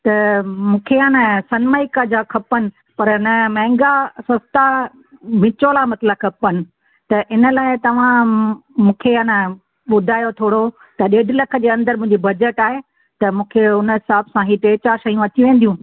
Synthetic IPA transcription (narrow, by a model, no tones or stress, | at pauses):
t̪ɐmũːkʰeanəsɐnməikad͡ʑakʰɐpənɪ̆ | pɐɾnɐmɛ̃ːɪ̃ŋɡasɐst̪a | ʋɪ̃t͡ɕoːlamɐt̪ləkʰɐpənɪ̆ | t̪ɐʔɪnə̆laːɪt̪ɐʋ̤ãmũːkʰeanə | ɓʊd̪ʱaːjot̪ʰoːɽo | t̪ɐɗeːɖʱlɐkʰə̆d͡ʑeːɐ̃nd̪əɾmʊ̃ɦɪ̃ɲd͡ʑibɐd͡ʑəʈaːɦe | t̪ɐmũːkʰeʊnəɦɪsaːbsãɦiʈeːt͡ɕaʃɐjũɐt̪iʋẽːnd̪jũː